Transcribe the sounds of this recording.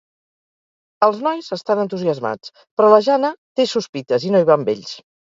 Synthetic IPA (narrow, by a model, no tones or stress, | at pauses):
əlˠznɔjzəst̪anənt̪uziəzma̰t͡s | pɾɔləʒanət̪esuspit̪əzinoiβ̞ambḛʎs